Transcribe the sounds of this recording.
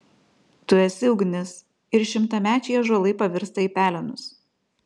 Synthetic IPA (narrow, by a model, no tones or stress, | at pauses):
t̪ʊɛsʲɪʊɡʲnʲɪs | ɪɾʃʲɪmt̪ɐmʲæːt͡ʃʲɛjɛʒoɔlˠɐɪpɐʋʲɪɾst̪ɐiːpʲæːlʲɛnʊs